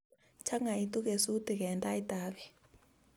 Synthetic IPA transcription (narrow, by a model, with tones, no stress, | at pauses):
t͡ʃʰa˦ŋa˨i˦tʼu˦k̬ʼe˨su˦tʼi˨k̬ɛ˨ntʼa˦i˦tʼaːɓɛ